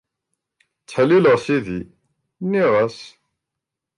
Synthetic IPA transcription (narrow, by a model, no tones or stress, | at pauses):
t͡sːħlːiləʁsiði | nːiʁæs